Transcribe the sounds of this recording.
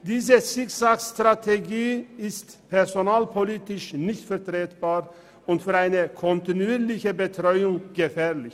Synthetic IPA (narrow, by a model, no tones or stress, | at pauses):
d̪iːzəsɪksakst̪ʁat̪ʰeɡiːɪst̪pʰɛʁzonaːlpʰoliːt̪ɪʃnɪçtfɛʁt̪ʁeːt̪b̥aːʁ | ʊntfyːʁaɪnəkʰɔnt̪ɪnuiːɾlɪçəbət̪ʁɔʏʊŋɡ̥əfɛːʁlɪç